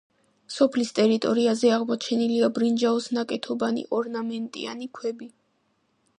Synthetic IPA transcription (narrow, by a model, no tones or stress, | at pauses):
sɔpʰlist̪ʼɛɾit̪ʼɔɾiazɛaʁmɔt͡ʃʰɛniliabɾind͡ʒaɔsnakʼɛt̪ʰɔbanḭʔɔɾnamɛnt̪ʼḭa̰nikʰwɛbi